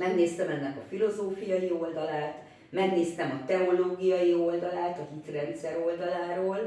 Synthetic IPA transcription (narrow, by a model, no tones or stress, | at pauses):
mɛɡneːst̪ɛmɛnːɛkɒfilo̞zoːfijɒjio̞ld̪ɒlaːt̪ | mɛɡneːst̪ɛmɒt̪ɛoloːɡijɒjio̞ld̪ɒlaːt̪ɒhit̪rɛnt̪sɛɾo̞ld̪ɒlaːɾoːl